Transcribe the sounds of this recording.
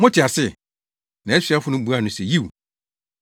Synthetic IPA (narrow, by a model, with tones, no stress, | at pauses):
mʊ̃˦tʰɪ˨a˨sɪ˦˨ | nã˨˦ɛ˦sɥa˦fʊ˦nʊ̃˦bu˨˦a˦˨nʊ̃˨sɛ˨ji˦˨w